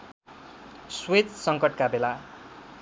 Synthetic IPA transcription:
swet͡ssʌŋkʌʈkabela

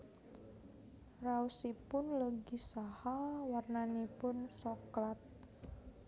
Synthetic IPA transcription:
rausipʊnləɡisahawarnanipʊnsɔklat̪̚

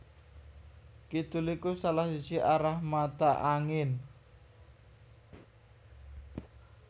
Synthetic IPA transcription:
kit̪ulikusalahsu̥t͡ʃiʔaɾahmat̪aʔaŋɪn

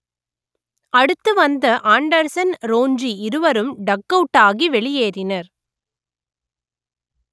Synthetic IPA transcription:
ɐɽɯt̪ːɯʋɐnd̪ɐʔaːɳɖɐɾsɐnɾoːnd͡ʒiɪɾɯʋɐɾɯmɖɐkːɐʈːaːɣiʋɛɭɪjeːɾɪnɐɾ

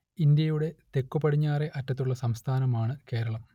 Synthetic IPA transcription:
ind̪jɐjuɽe̞t̪e̞kːupːɐɽiɲːaːre̞ʔɐtːɐt̪ːuɭːɐsɐmst̪ʰaːnɐmaːɳɨke̞ːɾɐɭɐm

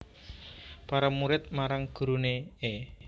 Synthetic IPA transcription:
paɾamuɾɪt̪̚maɾaŋɡ̥ṳɾunee

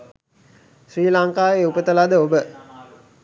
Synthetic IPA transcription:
sriːlaŋkaːeːupət̪əlad̪əobə

